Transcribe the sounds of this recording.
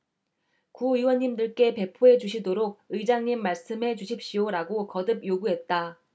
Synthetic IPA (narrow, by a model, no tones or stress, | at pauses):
kuiwʌɲːimdɯɭk͈e̞pe̞pʰoɦe̞d͡ʑuɕʰidoɾoɡ̚ɯid͡ʑaŋɲimːaɭs͈ɯmɦe̞d͡ʑuɕʰip̚ɕ͈ioɾaɡokʌdɯb̚joɡuɦe̞t̚t͈a